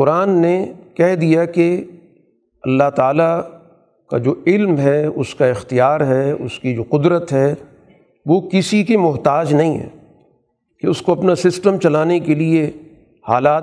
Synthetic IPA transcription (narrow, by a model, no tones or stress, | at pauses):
qʊɾaːnːekɛɦd̪ijake | ɐlːaɦt̪aːla | kad͡ʒoːɪlmɦɛʊskaɪxt̪ijaːɾɦɛʊ̰skid͡ʒoːqʊd̪ɾət̪ɦɛ | ʋokɪsikimʊɦt̪aːd͡ʒnɐɦĩɦɛ̰ː | keʊskoɐpnasɪsʈəmt͡ʃɐlaːnekelie | ha̰ːlaːt̪